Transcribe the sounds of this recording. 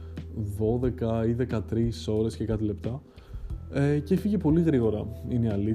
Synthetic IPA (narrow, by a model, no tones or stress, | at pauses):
ðo̞ðe̞kɐiðe̞kɐt̪ɾiso̞ɾe̞sce̞kɐt̪ile̞pt̪ɐ | ecefiʝepo̞liɣɾiɣo̞ɾɐiniɐli